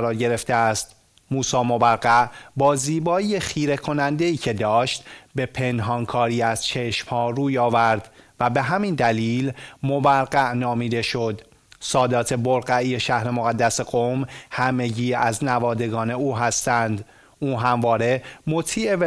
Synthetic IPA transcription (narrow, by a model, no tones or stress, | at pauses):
ɾɒːɾɟe̞ɾe̞ft̪eæst̪ | muːsɒːmo̞bæɾɢæʔbɒːziːbɒːexiːɾe̞kʰo̞nænd̪e̞iːcʰe̞d̪ɒːʃt̪be̞pʰe̞nɦɒːnkʰɒːɾiːæz̥t͡ʃʰe̞ʃmhɒːruːjɒːvæɾd̪væbe̞ɦæmind̪æliːlmobæɾɢæʔnɒːmiːd̪e̞ʃo̞d̪ | sɒːd̪ɒːt̪ʰe̞boɾɢæije̞ʃæhɾe̞mo̞ɣæd̪ːæseɡomhæme̞ɟiːæznævɒːd̪e̞ɡɒːne̞uːɦæst̪ænd̪ | ʔuːɦæmvɒːɾe̞mo̞t̪ʰiːʔe̞v